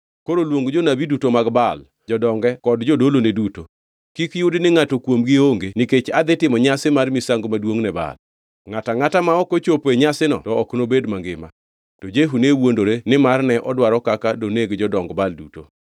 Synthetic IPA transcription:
koɾolwoŋɡd͡ʒonabidutomaɡbal | d͡ʒɔdɔŋɡɛkɔdd͡ʒodoloneduto | kikjʊdnɪŋatokwomɡɪoŋɡenɪket͡ʃad̪ɪtɪmɔɲasɪmarmisaŋɡomadwoŋnɛba̰l | ŋataŋatamaɔkot͡ʃopeɲasɪnɔ̰tɔɔknobedmaŋɡɪma̰ | tɔd͡ʒeɦunewondoɾenɪmarnɛʔɔdwaɾɔkakadoneɡd͡ʒɔdɔŋɡbaldṵto

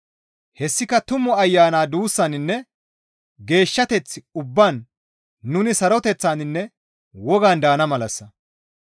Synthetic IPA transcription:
hɛsːɪkɐt̪ʊmːɔɐjːaːnaːd̪uːsːɐnɪnːɛ | ɡe̞ːʃːɐt̪ɛt͡sːɪʊbːaːnː | ʊnɪsɐɾɔt̪ɛt͡sːaːnɪnːɛ | wɔɡand̪aːnɐmɐlɐsːɐ

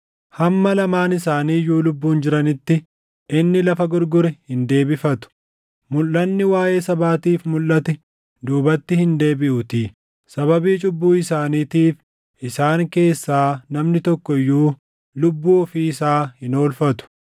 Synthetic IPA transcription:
hɐmːɐlɐmaːnɪsaːniːjuːlʊbːuːnd͡ʒɪɾɐnɪt̪ːɪ | ʔɪnːɪlɐfɐɡʊɾɡʊɾɛhɪnd̪e̞ːbɪfɐt̪ʊ̥ | mʊlːɐnːɪwaːje̞ːsɐbaːt̪iːfmʊlːɐt̪ɛ | d̪uːbɐt̪ːɪhɪnd̪e̞ːbɪʔʊt̪iː | sɐβɐbiːt͡ʃʼʊbːuːɪsaːniːt̪iːf | ʔɪsaːŋke̞ːsːaːnɐmnɪt̪ɔkːɔjːuː | lʊbːuːɔfiɪsaːhɪno̞ːlfɐt̪ʊ̥

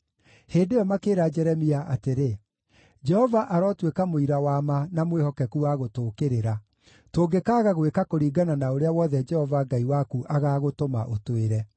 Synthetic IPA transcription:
heːndeɔmakeːɾad͡ʒɛɾɛmiaʔateɾe | d͡ʒɛhɔvaʔaɾɔːtwekamoiɾawaːmanamwehɔkɛkuaɣotoːkeɾeɾa | toːɡekaɣaɣwekakoɾiːɡananaoɾeawɔðɛd͡ʒɛhɔvaɡaiwakuʔaɣaːɣotoma̰ʔotweɾɛ

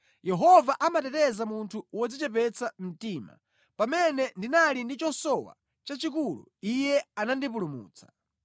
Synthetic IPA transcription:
jɛɦɔvaʔamatɛtɛzamuntʰuwɔd͡zit͡ʃɛp̬ɛt͡sam̩tiːma̰ | pamɛnɛndinalindit͡ʃɔsɔwa̰ | t͡ʃat͡ʃik̬ulṵijɛanandip̬ulumṵːt͡sḁ

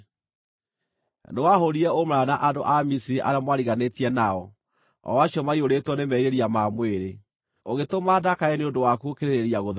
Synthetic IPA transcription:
newaɦoɾiɛomɾaːnaʔadoʔamisiɾiʔa̰ɾamwaɾiɣanetiɛnaɔ | ɔ̰waɕiɔmaioɾetwɔnemɛɾeɾiamamweɾe | oɣetomaːdakaɛneodowakuokeɾeɾeɾiaɣo

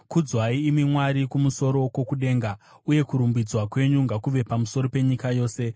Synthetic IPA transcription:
kud͡zwaiːmimwaɾikumuso̞ɾo̞ko̞kuɗe̞ːŋɡa | uje̞kuɾumbid͡zwakwe̞ɲuŋɡakuʋe̞pamuso̞ɾope̞ɲikajo̞ːse̞

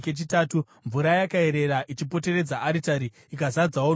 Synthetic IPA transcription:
ket͡ʃitaːtu | ɱvuɾajakae̞ɾe̞ɾaʔit͡ʃipo̞te̞re̞d͡zaʔaɾitaɾi | ikazad͡zawo

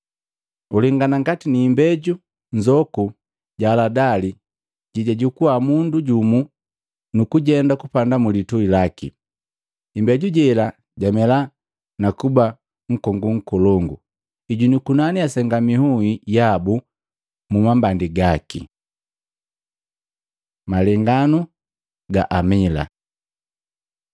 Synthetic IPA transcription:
uliŋɡanaŋɡatiniːmbɛɟu | ɲd͡ʒɔku | ɟaːladali | ɟiɟaɟukuamunduɟumu | nukuɟɛndakupandamulituilakḭː | mbɛɟuɟɛla | ɟamɛla | nakuba | ŋ̩kɔŋɡuŋ̩kɔlɔŋɡu | iɟunikunaniasɛŋɡamihuijabu | mumambandiɡakḭ | malɛŋɡanu | ɡa̰ʔamila̰

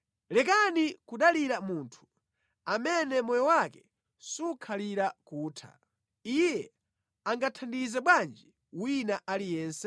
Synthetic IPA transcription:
lɛkanikuɗaliɾamuntʰu̥ | amɛnɛmɔjɔwakɛ | sukʰaliɾakuːtʰa̰ | ijɛ | aŋɡatʰandizɛɓwand͡ʒi | winaʔalijɛːnsɛ

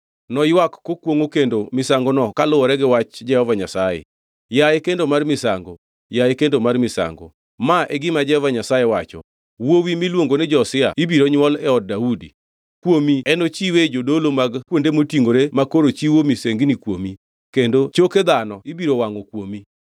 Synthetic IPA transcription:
nɔjwakːokwoŋokendomɪsaŋɡonɔkalʊwɔɾɛɡɪwat͡ʃd͡ʒɛhɔvaɲasajḛ | jaekendomarmɪsa̰ŋɡo | jaekendomarmɪsa̰ŋɡo̰ | maʔeɡɪmad͡ʒɛhɔvaɲasajewat͡ʃɔ̰ | wowimilwoŋɡonɛd͡ʒɔːsɪa̰ibiɾoɲwɔlɛɔd̚daudḭ | kwomiɛnot͡ʃiwed͡ʒodolomaɡkwondemotiŋɡoɾemakoɾot͡ʃiwomiseŋɡnikwo̰mi | kendot͡ʃoked̪anɔibiɾowaŋɔkwomi

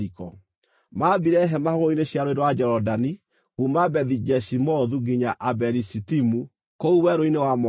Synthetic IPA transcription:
ikɔ | mabiɾɛɦɛmahɔɣoineɕjaɾoeɾwad͡ʒɛɾɔdani | ɣumabɛðid͡ʒɛʃimɔðuɡiɲaʔabɛɾisitimu | kouwɛɾoinewamɔ

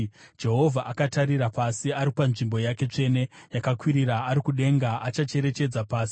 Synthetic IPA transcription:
d͡ʒe̞ɦo̞vʱaʔakataɾiɾapasiaɾipanʐimbo̞jake̞t͡ʂe̞ːne̞jakakwiɾiɾaːɾikuɗe̞ŋɡaat͡ʃat͡ʃe̞ɾe̞t͡ʃe̞d͡zapaːsi̥

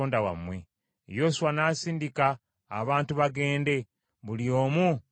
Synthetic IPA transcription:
oːndawa̰mwe̞̰ | jo̞suwanaːsiːndikaː | βaːntuβaɡe̞ːnde̞ | βulio̞ːmu

